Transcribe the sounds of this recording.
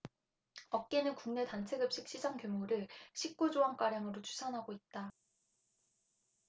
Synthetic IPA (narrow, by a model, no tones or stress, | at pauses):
ʌk̚k͈e̞nɯnkuŋne̞tant͡ɕʰe̞ɡɯp̚ɕ͈ik̚ɕ͈id͡ʑaŋkjomoɾɯɭɕʰik̚k͈ud͡ʑoɦaŋk͈aɾjaŋɯɾot͡ɕʰu̥sʰanɦaɡoit̚t͈a